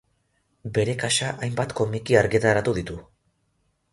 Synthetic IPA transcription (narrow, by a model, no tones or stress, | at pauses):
be̞ɾe̞kaʃaʔajmbat̪ko̞mikiaɾɣit̪aeɾat̪uðit̪u